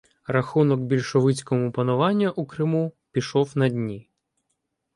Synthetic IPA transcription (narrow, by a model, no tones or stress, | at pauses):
rɐxunɔkbʲilʲʃɔʋɪt͡sʲkɔmʊpɐnʊʋɑnʲːɐʔukɾɪmupʲiʃɔwnɐdʲnʲi